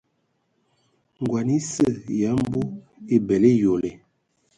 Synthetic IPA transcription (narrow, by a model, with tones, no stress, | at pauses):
ŋ˨ɡwa˨ni˦sə˦˨ja˨˦m˦bu˦ | e˦bɛ˨le˦jo˨le˨